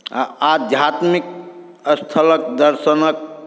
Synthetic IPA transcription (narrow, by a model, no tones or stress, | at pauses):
a̰ad̪ʱjat̪mik̚ | əst̪ʰələkd̪əɾsənək̚